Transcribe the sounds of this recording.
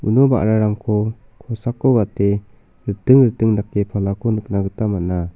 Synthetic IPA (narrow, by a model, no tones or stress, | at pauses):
unɔba̰ʔɾaɾaŋkʰɔ | kʰɔsakːɔɡate | ɾɯtɯŋɾɯtɯŋnakːepʰalakʰɔnɯk̚naɡɯtamat̚na